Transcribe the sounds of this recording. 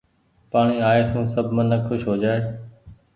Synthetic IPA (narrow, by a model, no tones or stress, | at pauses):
paːɳ̃iːaːeːsʰũːsəbʱmənəkxʊʃɦoːd͡ʒaːeː